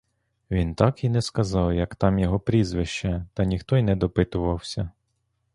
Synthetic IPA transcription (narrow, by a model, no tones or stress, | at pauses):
ʋʲint̪ɑkinɛskɐzɑwjɐkt̪ɑmjɔɦɔpɾʲizʋɪʃt͡ʃɛt̪ɐnʲixt̪ɔjnɛd̪ɔpɪt̪ʊʋɐwsʲɐ